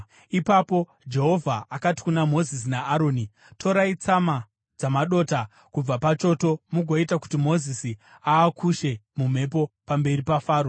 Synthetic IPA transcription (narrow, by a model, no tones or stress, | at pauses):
ipapo̞ | d͡ʒe̞ɦo̞vʱaakati̥kunamo̞zis̬inaːɾo̞ːni | tʰo̞ɾait͡sama | d͡zamaɗo̞ːta | kub͡vapat͡ʃo̞to̞muɡʱo̞itaku̥timo̞zisi | aːkʰuʃe̞mum̤e̞p̬o̞pambe̞ripafaːɾo